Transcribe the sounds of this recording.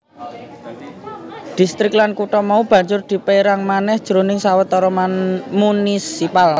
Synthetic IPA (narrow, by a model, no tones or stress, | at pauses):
d̪̥ist̪ɾɪk̚lankuʈɔmaub̥ä̤ɲd͡ʒʊrd̪̥i̤peeɾaŋmanɛhd̥ʒ̥əɾonɪŋsawət̪ɔɾɔmanmunisipal